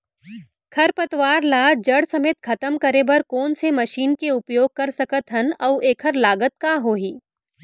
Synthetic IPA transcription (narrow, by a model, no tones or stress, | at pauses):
kʰɐɾpɐt̪ʋaːɾlaːd͡ʒɐɽsɐmeːt̪kʰɐt̪əmkɐɾebɐɾkɔːnsemɐʃiːnkeʊpjoːɡ̚kɐɾsɐkət̪ɦɐnɐʋʔeːkʰəɾlaːɡət̪̚kaɦoːɦiː